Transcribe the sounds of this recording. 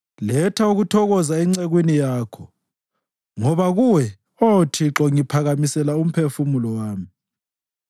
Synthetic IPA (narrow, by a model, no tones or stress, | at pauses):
lɛtʰauɣutʰɔɣɔzaɛŋ͡ǀeɣwinijaːkʰɔ | ŋɔβaɣuwɛ | otʰiǁɔŋipʰaɣamisɛlaum̩pʰefumulɔwaːmi